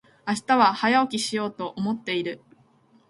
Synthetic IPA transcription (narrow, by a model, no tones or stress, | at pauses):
aɕi̥t̪aβahajaokʲiɕijo̞ːt̪o̞ʔomo̞t̪ːe̞iɾɯ̟